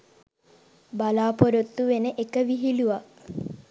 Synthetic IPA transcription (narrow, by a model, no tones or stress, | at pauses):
balaːpoɾot̪ːuʋenəʔekəʋiɦiluʋa